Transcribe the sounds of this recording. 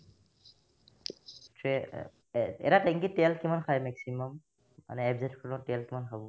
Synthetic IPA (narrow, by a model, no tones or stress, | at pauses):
tɛ | ɛ̰ɾatɛŋkitɛlkimankʰajmɛksimɔmː | a̰nɛɛbzɛtkʰɔɹlɔ̃tɛlkimankʰabɔ